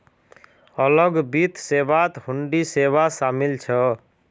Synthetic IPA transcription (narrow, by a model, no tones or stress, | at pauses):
ələɡbit̪sebat̪huɳɖiseβasamilt͡ʃʰʌ